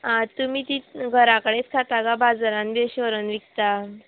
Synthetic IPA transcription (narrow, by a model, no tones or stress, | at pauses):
at̪umiːt̪iɡʱəɾakəɽet͡skʰat̪aɡabad͡zaɾãnb̪eɕəɾənʋikt̪a